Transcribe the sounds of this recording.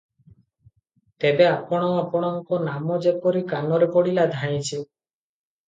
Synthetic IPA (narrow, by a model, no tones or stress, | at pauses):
t̪ebeapɔɽ̃ɔapɔɽ̃ɔŋkɔnamɔd͡ʒepɔɾikanɔɾepɔɽilad̪ʱãj̃t͡ʃʰi